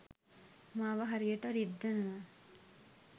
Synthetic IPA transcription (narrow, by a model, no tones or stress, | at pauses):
maːʋɐɦɐɾijɐʈɐɾid̪ːɐnɐʋa